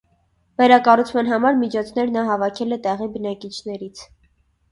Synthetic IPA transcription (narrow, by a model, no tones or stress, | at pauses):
vɛɾɑkɑrut͡sʰmɑn̪ɦɑmɑɾmit͡ʃʰɔt͡sʰnɛɾnɑɦɑvɑkʰɛlɛt̪ɛʁibənɑkit͡ʃʰnɛɾit͡sʰ